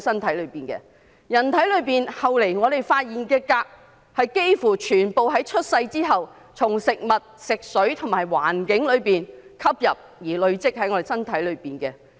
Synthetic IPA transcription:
sɐ˥nt̪ʰɐ˨˥jlɵ˨˧ɥpiː˨˩nkɛ̰ː˧ | jɐ˨˩nt̪ʰɐ˨˥jlɵ˨˧ɥpiː˨nhɐ˨wle˨˩jŋɔː˨˧d̪e˨jfaː˧t̚jiː˨nkɛː˧kaː˧k̚ | hɐ˨jke˥jfuː˨˩t͡ʃʰyː˨˩npo˨wɦɐ˨˥jt͡ʃʰɵ˥t̚sɐ˧jt͡siː˥ɦɐ˨w | t͡sʰʊ˨˩ŋsɪ˨k̚mɐ˨t̚sɪ˨k̚sɵ˨˥ɥt̪ʰʊ˨˩maː˨˩jwa̰ː˨˩nkɪ˨˥ŋlɵ˨˧ɥpiː˨nkʰɐ˥p̚jɐ˨p̚jiː˨˩lɵ˨˧ɥt͡sɪ˥k̚hɐ˨˥jŋɔ˨˧ɾe˨˩sɐ˥nt̪ʰɐ˨˥jlɵ˨˧ɥpiː˨˩nkɛ˧

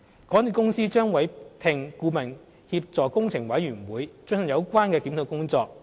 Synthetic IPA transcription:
kɔ˨˥ni˨˩kʊ˥ŋsiː˥t͡ʃœː˥ŋwɐ˨˧˥jpʰɪ˨˩ŋkuː˧mɐ˨˩n | hiː˧p̚t͡sɔː˨˩kkʊ˥ŋt͡sʰɪ˨˩ŋwɐ˨˥jɥyː˨˩nwuː˨˥jt͡sɵ˥ŋhɐ˨˩jɐ˨˧wkʷaː˥nkɛː˧kiː˨˥mt̪ʰo˨˧wkʊ˥ŋt͡sɔː˧k̚

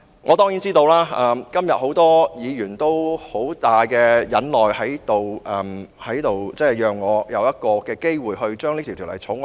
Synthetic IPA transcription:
ŋʔɔː˨˧t̪ɔː˥ŋjiː˨˥nt͡siː˥t̪o˧wlaː˥ʔɐː˧mkɐ˥mjɐ˨t̚ho˨˥wt̪ɔː˥jiː˨˧jyː˨˩nt̪o˥who˨˥wt̪aː˨jkɛː˧jɐ˨˥nlɔː˨˩jhɐ˨˥jt̪o˨wʔɐ˨mhɐ˨˥jt̪o˨wt͡sɛː˥˩jœː˨ŋːɔː˨˧jɐ˨˧wjɐ˥t̚kɔː˧kɛː˧ke˥jwuː˨˩jɦɵ˧ɥt͡ʃœː˥ŋli˥t̪ʰi˨˩t̪ʰːlɐ˨˩t͡sʰʊ˨˥ŋ

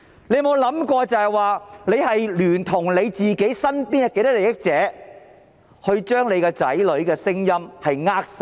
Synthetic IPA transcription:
le˨˧jmo˨˧wlɐ˨˥mkɔː˧t͡sɐ˨hɐ˨jwaː˨le˨˧jhɐ˨jlyː˨˩nt̪ʰʊ˨˩ŋle˨˧jt͡siː˨ke˨˥jsɐ˥npiː˥nɐ˨˩ke˧jt̪ɐ˥le˨jɪ˥k̚t͡sɛː˨˥ | hɵ˧ɥt͡ʃœː˥ŋle˨˧jkɛː˧t͡sɐ̰˨˥jlɵ˨˧ɥkɛː˧sɪ˥ŋjɐ˥mhɐ˨jŋaː˥k̚sɐ˥˩

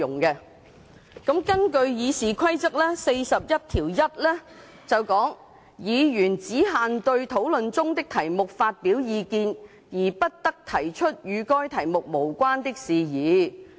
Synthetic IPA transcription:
ʊ˨˩ŋkɛ˧ | kɐ˨˧˥mkɐ˥nkɵ˧ɥjiː˨˧siː˨kʷʰɐ˥jt͡sɐ˥k̚lɛː˥se˧jsɐ˨p̚jɐ˥t̚t̪ʰiː˨˩wjɐ˥t̚lɛː˥ | t͡sɐ˨wkɔː˨˥ŋ | jiː˨˧jyː˨˩nt͡siː˨˥ɦaː˨nt̪ɵ˧ɥt̪ʰo˨˥wlɵ˨nt͡sʊ˥ŋt̪ɪ˥k̚t̪ʰɐ˨˩jmʊ˨k̚faː˧t̚piː˨˥wjiː˨˧kiː˧n | jiː˨˩pɐ˥t̚t̪ɐ˥k̚t̪ʰɐ˨˩jt͡ʃʰɵ˥t̚jyː˨˧kɔː˥jt̪ʰɐ˨˩jmʊ˨k̚mo˨˩wkʷaː˥nt̪ɪ˥k̚siː˨˧jiː˨˧˦

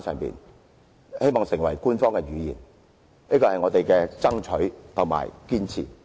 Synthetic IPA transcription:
sʰœ̰ː˨˩ŋpḭ˨n | he˥jmɔː˨ŋsɪ˨˩ŋwɐ˨˩jkuː˥nfɔː˥ŋkɛ˧ɥyː˨˧jḭː˨˩n | niː˥kɔː˧hɐ˨jŋɔː˨˧t̪e˨jkɛː˧t͡sɐ˥ŋt͡ʃʰɵ˨˥ɥt̪ʰʊ˨˩ŋma̰ː˨˩jkiː˥nt͡sʰḭː˨˩

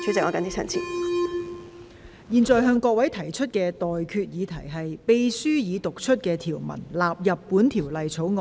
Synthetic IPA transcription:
t͡ʃʰy˨˥t͡sɪ˨k̚ŋɔ˨˧kɐ˨˥ni˥t͡sʰɐ̰˨˩nt͡sʰḭː˨˩ | jiː˨nt͡sɔː˨˧jɦœː˧ŋkɔː˧k̚wɐ˨˥jt̪ʰɐ˨˩jt͡ʃʰɵ˥t̚kɛː˧t̪ɔː˨jkʰyː˧t̚jiː˨˧t̪ʰɐ˨˩jɦɐ˨jpe˨jsyː˥jiː˨˧t̪ʊ˨k̚t͡ʃʰɵ˥t̚kɛː˧t̪ʰiː˨˩wmɐ̰˨˩nlaː˨p̚jɐ˨pːuː˨˥nt̪ʰiː˨˩wlɐ˨jt͡sʰo˨˥wŋɔː˧

